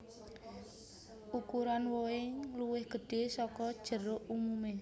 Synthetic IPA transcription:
ʔukuɾanwoɪŋluwɪhɡ̥ə̤ɖ̥esɔkɔd̥ʒ̥ə̤ɾʊʔumume

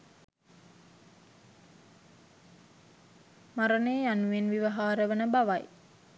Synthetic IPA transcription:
maɾənejːanuʋenʋiʋaɦaːɾəʋənəbaʋaj

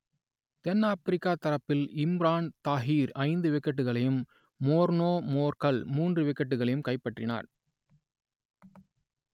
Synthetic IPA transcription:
t̪ɛnːaːpɾɪkːaːt̪ɐɾɐpːɪlɪmɾaːnt̪aːɦiːɾɐɪnd̪ɯʋɪkːɐʈːɯɣɐɭɐjɯmː | oːɾnoːmoːɾkɐlmuːndrɯʋɪkːɐʈːɯɣɐɭɐjɯmkɐɪpːɐʈrɪna̰ːɾ

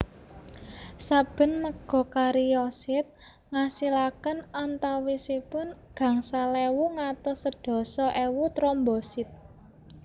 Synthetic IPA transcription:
sab̥ə̤nməɡ̥ɔ̤kaɾijɔsɪt̪̚ | ŋasilakənant̪awisipʊnɡ̥ä̤ŋsalewuŋat̪ɔsəɖ̥ɔ̤sɔʔewut̪ɾɔmbɔsɪt̪̚

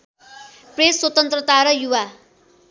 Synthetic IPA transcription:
preswʌt̪ʌnt̪rʌt̪aɾʌjuwa

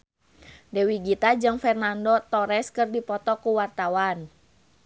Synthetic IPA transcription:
dɛwiɡit̪ad͡ʒɨŋfɛrnandot̪ɔɾɛskɨrdipɔt̪ɔkuwart̪awan

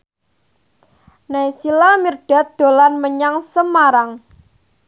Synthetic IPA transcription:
najsilamirɖ̥a̤t̪̚d̪̥o̤lanməɲaŋsəmaɾaŋ

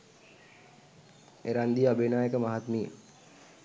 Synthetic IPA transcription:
eɾand̪ijabʱinaːjəkəmaɦat̪mijə̰

